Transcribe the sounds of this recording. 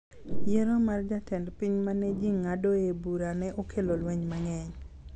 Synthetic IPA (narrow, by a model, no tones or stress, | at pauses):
jeɾomard͡ʒatɛndpiɲmaned͡ʒiŋːadoebuɾanɛʔokʰelolweɲmaŋɛɲ